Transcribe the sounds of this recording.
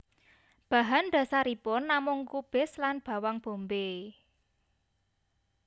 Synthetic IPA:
b̥a̤ɦand̪̥a̤saɾipʊnːamʊŋkub̥ɪ̤slanb̥a̤waŋb̥o̤mbe

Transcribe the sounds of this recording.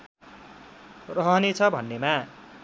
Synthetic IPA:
rʌɦʌnet͡sʰʌbʱʌnːema

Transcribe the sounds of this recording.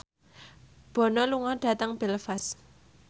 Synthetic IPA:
b̥ɔ̤nɔluŋɔɖ̥ä̤t̪əŋb̥elfas

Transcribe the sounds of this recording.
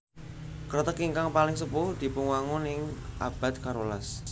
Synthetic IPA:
kərt̪əkiŋkaŋpalɪŋsəpʊhd̪̥i̤puŋwaŋʊnɪŋʔa̰b̥a̤t̪̚kaɾolas

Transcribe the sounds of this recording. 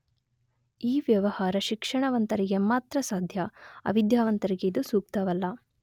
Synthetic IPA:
iːʋjɐʋɐhaːɾɐʃikʂɐɳɐʋɐnt̪ɐɾiɡe̞maːt̪ɾɐsaːd̪ʱjɐɐ̰ʋid̪jaːʋɐnt̪ɐɾiɡeid̪usuːk̚t̪ɐʋɐlːɐ

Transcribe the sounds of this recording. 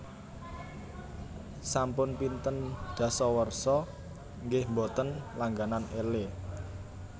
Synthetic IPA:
sampʊnpint̪ənɖ̪̥ä̤sɔwərsɔ | ŋɡɪhmbɔt̪ənlaŋɡananele

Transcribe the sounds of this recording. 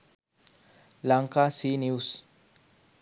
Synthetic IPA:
laŋkasinius

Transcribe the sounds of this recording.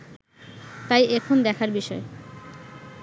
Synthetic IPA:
t̪ajɛkʰond̪ɛkʰaɾbiʃɔe

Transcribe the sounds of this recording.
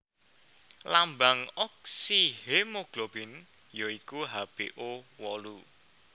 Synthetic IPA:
lambaŋɔk̚sihemoɡ̥lob̥ɪn | joikuɦab̥eʔowɔlu

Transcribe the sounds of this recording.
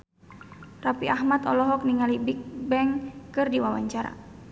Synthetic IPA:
rapiʔahmat̪ɔlɔɦɔk̚niŋalibik̚bɛŋkɨrdiwawa̰ɲt͡ʃaɾa̰

